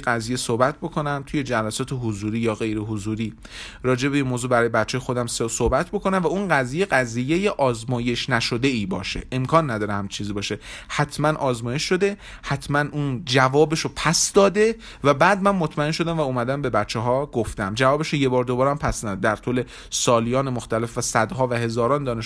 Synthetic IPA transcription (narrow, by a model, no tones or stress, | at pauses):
ɡæzijesohbæt̪̚ʰbo̞kʰo̞næmt̪ʰuje̞d͡ʒælæsɒːt̪ʰeɦozuːɾiːjɒːɣe̞jɾeɦozuːɾiː | ɾɒːd͡ʒe̞beinmoːzuːbæɾɒːjebætt͡ʃʰːjexo̞d̪æmsosohbæt̪ʰbo̞ko̞næmvæunɢæzijeɢæzije̞jeʔɒːzmɒːje̞ʃnæʃo̞d̪e̞iːbɒ̰ːʃḛʔemkʰɒːnːæd̪ɒːɾehæmt͡ʃʰiːziːbɒːʃe̞hæt̪ʰmænʔɒːzmɒːje̞ʃʃo̞d̪e̞ | hæt̪ʰmænʔund͡ʒævɒːbeʃopʰæsd̪ɒːd̪e̞ | væbæːd̪mænmo̞t̪ʰmæe̞nʃo̞d̪æmvæuːmæd̪æmbe̞bætt͡ʃʰːeɦɒːɡoft̪æmd͡ʒævɒːbeʃoje̞bɒːɾd̪obɒːɾæmpʰæsnæd̪æɾt̪ʰule̞ | sɒːlijɒːnemoxt̪æle̞fvæsæd̪ɦɒːvæhe̞zɒːɾɒːnd̪ɒːne̞ʃ